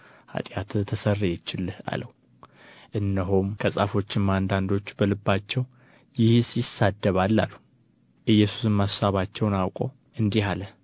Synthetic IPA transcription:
ha̰t̪ʼjat̪t̪ʰəsərːjɛt͡ʃːɪlːha̰ləw | ʔɨnːəɦomkʰəsʼafo̞t͡ʃːɪmand̪and̪o̞t͡ʃːbəlɨbːat͡ʃːɛw | jɪhsjɪsːad̪ːəβalːa̰lːu | ʔɨjːɛsu̥sɨmːassaβat͡ʃːɛwnawkʼow | ʔɨnd̪ihaləh

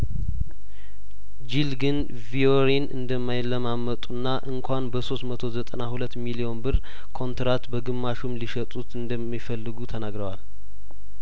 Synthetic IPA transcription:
d͡ʒilɡɨn | vioɾinɨ̰nd̪əmːajlːəmamːət̪ʼunːaʔɨŋkʰʷanbəso̞st̪mət̪ʰo̞zət̪ʼənahulət̪ːmilio̞nbɨɾ | kʰo̞nt̪ɾat̪bəɡɨmːaʃumliʃət̪ʼut̪ɨnd̪əmːifəlːɨɡut̪ʰənaɡɾəwal

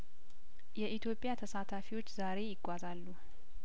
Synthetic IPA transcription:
jɛʔit̪ʰjo̞pʼjat̪ʰəsat̪ʰafiwo̞t͡ʃːzaɾe̞jɪɡʷʼːazalːu

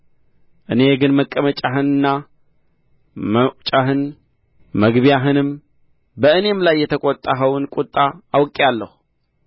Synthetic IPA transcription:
ʔɨne̞ɡɨnməkʼːəmət͡ʃʼaɦɨnɨnːa | mət͡ʃʼaɦɨn | məɡβijaɦɨnɨm | bəɨne̞mlajːɛt̪ʰəkʼɔt̪ʼːaɦəwɨnkʼut̪ʼːaːwkʼalːəhu

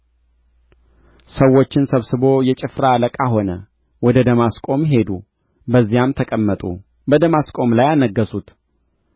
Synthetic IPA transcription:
səwːo̞t͡ʃːɪnsəβsɨbo̞jɛt͡ʃʼɪfɾaləkʼaɦo̞nə | wɔd̪əd̪əmaskʼo̞mɦe̞d̪u | bəzːijamt̪ʰəkʼəmːət̪ʼṵ | bəd̪əmaskʼo̞mlajanəɡːəsut̪

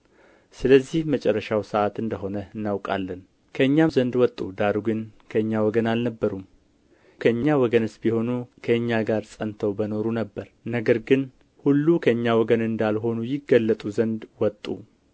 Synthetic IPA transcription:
sɨləzːihmət͡ʃʼɛrːəʃawsəʔat̪ɨnd̪əɦo̞nəɨnːawkʼa̰lːən | kʰəɨɲːamzənd̪wɔt̪ʼːud̪aɾuɡɨnkʰəɨɲːawɔɡənalnəbːəɾum | kʰəɨɲːawɔɡənɨsbiho̞nukʰəɨɲːaɡaɾsʼənt̪ʰəwbəno̞ɾunəbːəɾnəɡəɾɡɨn | hulːukʰəɨɲːawɔɡənɨnd̪alɦo̞nujɪɡːəlːət̪ʼuzənd̪wɔt̪ʼːṵ

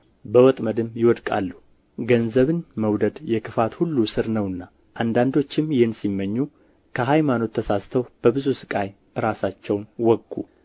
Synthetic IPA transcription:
bəwɔt̪ʼməd̪ɨmjɪwɔd̪kʼa̰lːu | ɡənzəβɨnməwd̪əd̪jɛkʰɨfat̪hulːusɨɾnəwɨnːa | ʔand̪and̪o̞t͡ʃːɪmjɛnsimːəɲːu | kʰəɦajmano̞t̪ʰːəsast̪ʰəwb̥əbɨzusɨ̥kʼaj | ɨɾasat͡ʃːɛwnwɔɡːṵ

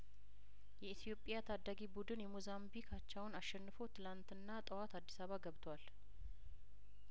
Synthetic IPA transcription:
jɛit̪ʰijo̞pʼijat̪ʰad̪ːaɡibud̪ɨnjɛmuzambikʰat͡ʃːawʊnaʃːɛnːɨfo̞t̪ʰɨlant̪ɨnːat̪ʼəwat̪ad̪ːisaβaɡəβt̪ʰwal

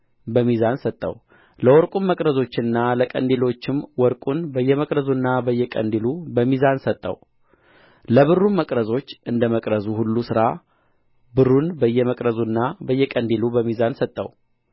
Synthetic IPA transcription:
bəmizansət̪ʼːə̰w | ləwɔɾkʼunməkʼɾəzo̞t͡ʃːɪnːaləkʼə̰nd̪elo̞t͡ʃːɪmwɔɾkʼunbəjːɛməkʼɾəzunːabəjːɛkʼə̰nd̪ilubəmizansət̪ʼːə̰w | ləβɨrːumːəkʼɾəzo̞t͡ʃːʔɨnd̪əməkʼɾəzuhulːusɨɾa | bɨrːunbəjːɛməkʼɾəzunːabəjːɛkʼənd̪ilubəmizansət̪ʼːə̰w

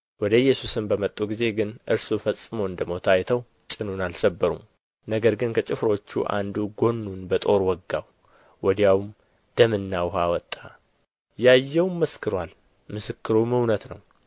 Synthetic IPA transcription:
wɔd̪əjːɛsusɨmbəmət̪ʼːuɡize̞ɡɨnʔɨɾsufəsʼːɨmowɨnd̪əmot̪ʰajt̪ʰəw | t͡ʃʼɨnunalsəbːəɾṵm | nəɡəɾɡɨnkʰət͡ʃʼɪfɾo̞t͡ʃːṵʔa̰nd̪uɡo̞nːunbət̪ʼo̞ɾwɔɡːaw | wɔd̪jawm | d̪̥əmɨnːawɦawɔt̪ʼːa | jajːɛwmməskʰɨɾwal | mɨsɨkːɨɾumhɨwnət̪nə̰w

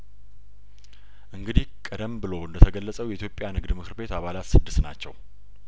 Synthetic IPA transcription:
ʔɨŋɡɨd̪ikʼəd̪əmbɨlo̞ɨnd̪ət̪ʰəɡəlːəsʼəwjɛʔit̪jo̞pʼːjanɨɡd̪mɨkʰɨɾbe̞t̪aβalat̪sɨd̪ːɨsna̰t͡ʃːɛ̰w

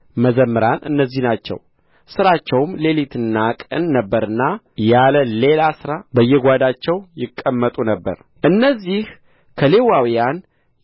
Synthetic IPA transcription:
məzəmːɨɾanʔɨ̰nːəzːihnat͡ʃːɛ̰w | sɨɾat͡ʃːɛwmle̞lit̪ʰɨnːakʼɨ̰nːəbːəɾɨnːa | jaləle̞lasɨɾabəjːɛɡʷad̪at͡ʃːɛwjɪkʼːəmːət̪ʼunəbːə̰ɾ | ʔɨnːəzːih | kʰəle̞wawijan

